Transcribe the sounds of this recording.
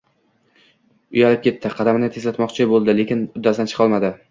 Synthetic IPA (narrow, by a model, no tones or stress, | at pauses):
ʊjalɪp̚kʲe̞t̪ʰːɪqʰɑd̪amɪnɪt̪ʰe̞zlat̪mɒqt͡ʃʰɪbolˠd̪ɪle̞kʲɪnʊd̪ːasd̪ant͡ʃʰɨ̥qʰɒlˠmad̪ɪ